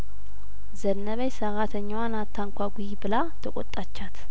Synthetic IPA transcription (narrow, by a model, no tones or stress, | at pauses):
zənːəβəjsəɾat̪ʰəɲːawanat̪ʰːaŋkʷʰaɡʷujibɨla | t̪ʰəkʼɔt̪ʼːat͡ʃːat̪ʰ